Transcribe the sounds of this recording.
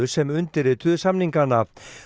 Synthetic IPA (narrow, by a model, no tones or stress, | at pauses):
ʏsɛmʏnt̪ɪɾɪt̪ʰʏðsamniŋkanːa